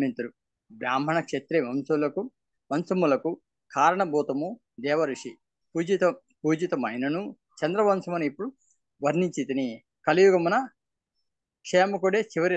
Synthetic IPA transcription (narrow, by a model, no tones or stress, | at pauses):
mint̪ɐɾu | bɾaːm̤ʱɐɳɐkʂet̪ɾeʋɐmsɐlɐku | ʋɐnsɐmulɐku | kaːɾɐɳɐbʱuːt̪ɐmu | d̪ɛːʋɐɾuʂi | puːd͡ʒit̪ɐ | puːd͡ʒit̪ɐmɐjnɐnu | t͡ʃɐnd̪ɾɐʋɐnsɐmɐnuipːuɽu | ʋɐɾniɲt͡ʃit̪ini | kɐlijuɡɐmunɐ | kʂeːmɐkuɽeːt͡ʃiʋɐɾi